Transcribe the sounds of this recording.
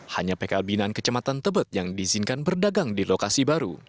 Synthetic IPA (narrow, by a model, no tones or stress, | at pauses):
haɲapekalbinankət͡ʃəmat̪ant̪əbət̪̚jaŋdizinkanbərdaɡaŋdilokasibaɾṵ